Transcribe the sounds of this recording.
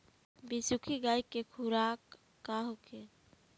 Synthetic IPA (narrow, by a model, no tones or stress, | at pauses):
bisukʰiɡajkekʰuɾakː | aɦokʰe